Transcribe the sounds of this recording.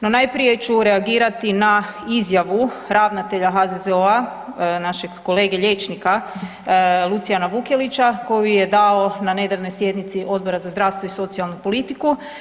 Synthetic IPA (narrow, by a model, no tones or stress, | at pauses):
no̞najpɾije̞t͡ʃuɾe̞aɡiːɾat̪inaizjaʋu | ɾaʋnat̪e̞ʎaɦazezeoanaʃeɡːo̞le̞ːɡe̞ʎe̞t͡ʃnika | lˠut̪sijanaʋukelit͡ɕako̞jije̞d̪ao̞nane̞d̪aʋno̞jsje̞d̪nit̪siʔo̞d̪bo̞ɾazazd̪ɾaːʋst̪ʋo̞iso̞t̪sijalˠnupo̞lit̪iku